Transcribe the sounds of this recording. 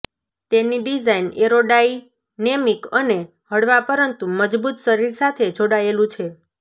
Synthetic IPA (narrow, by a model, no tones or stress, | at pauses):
t̪eniɖizaineɾoɖai | nemikəne | həɽʋapəɾənt̪uməd͡ʒbut̪ʃəɾiɾsat̪ʰed͡ʒoɽaelũt͡ʃʰe